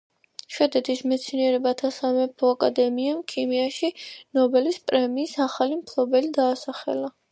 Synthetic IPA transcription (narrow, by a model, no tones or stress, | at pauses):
ʃwɛd̪ɛt̪ʰismɛt̪sʰniɛɾɛbat̪ʰasamɛpʰɔakʼad̪ɛmiamkʰimiaʃinɔbɛlispʼɾɛmiːsaχalimkʰlˠɔbɛlid̪aːsaχɛ̰la